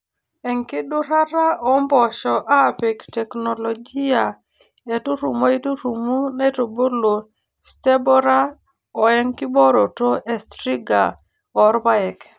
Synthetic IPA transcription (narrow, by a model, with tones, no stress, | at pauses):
ɛ˨ŋkɪ˦ɗu˦ɾa˦ɾa˦ʔɔ˨mbɔ˨ʃɔ˨ʔa˦˨pe˨ktɛ˨kno˨lo˨ɡi˦a˨ | e˨tu˦ɾu˨mo˦i˦tu˦ɾu˨mu˦ne˦to˨bo˦lo˨ | ste˦bɔ˦ɾa˦ | ɔ˨ɛ˦ŋkɪ˦bɔ˦ɾo˨to˦ʔe˨stɾi˦ɡa˨ | ɔ˨ɾba˦ɛ˨k